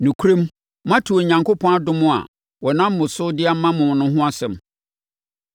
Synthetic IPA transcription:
nũ˨kʰu˦ɾẽ˦m | mã˦tʰu˨o˨ɲã˨ŋko˦pʰɔ̃˦a˦dʊ̃˦mʊ̃˦a̰˨ | wɔ˨nã˦m̩ː˦ʊ̃˨sʊ˦dɪ˦a˦mːã˦mʊ̃˨nʊ̃˦ɦʊ̃˦a˦sɛ̃˨m

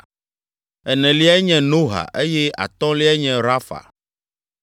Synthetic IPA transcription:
ɛ˨nɛ̃˨li˦a˦ɲɛ̃˨no˦ɦa̰˨ʔe˦jɛ˦a̰˨t̪ɔ̃˦li˦a˦ɲɛ̃˦ɾa˦fa̰˨

